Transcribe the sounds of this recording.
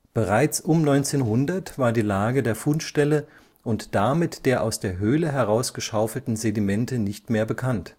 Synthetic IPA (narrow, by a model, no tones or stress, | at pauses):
b̥əʁaɪt͡sʔʊmnɔʏnt͡seːnɦʊndɐtv̥aːɐdiːlaːɡədeːɐfʊnʃtɛlə | ʔʊntd̥amɪtd̥eːɐʔaʊsd̥eːɐɦøːləɦɛʁ̞aʊsɡ̥əʃaʊfl̩tn̩zedimɛntənɪçtmeːɐbəkʰant